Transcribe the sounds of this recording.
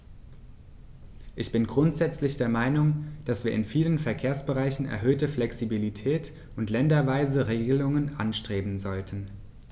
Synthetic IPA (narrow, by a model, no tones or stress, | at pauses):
ʔɪçb̥ɪnɡʁʊntz̥ɛt͡slɪçd̥eːɐmaɪnʊŋd̥asv̥iːɐɪnfiːlənfɛɐkʰeːɐsb̥əʁaɪçn̩ɛ̰ɐɦøːtəflɛksibilitʰɛːt | ʔʊntlɛndɐvaɪzəʁeːɡəlʊŋənʔa̰nʃtʁ̥eːbm̩zɔltʰən̩